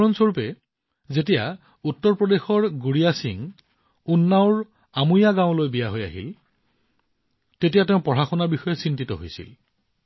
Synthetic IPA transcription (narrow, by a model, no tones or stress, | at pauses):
ɔnsoɹupɛ | zetija | utːɔɹpɹɔdexɔɹɡuɹijasiŋ | unːaʊɹ | amujaɡãʊ̃lojbijaɦoja̰ɦḭl | tetijateʊ̃pɔɹaxɔnabixɔjɛsintitɔ̰ɦo̰jsḭl